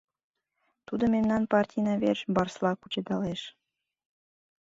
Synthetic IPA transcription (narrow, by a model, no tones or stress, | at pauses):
t̪ud̪ŏmemnɑnpɑrtʲijnɑβerʃbɑrslˠɑkut͡ɕed̪ɑleʃ